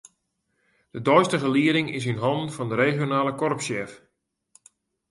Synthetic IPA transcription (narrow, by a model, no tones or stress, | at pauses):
d̥ədɔjstəɣəliəɾɪŋɪs̬inɦɑndn̩fɑndəɾeːχjonaːləkɔrəpsjɛf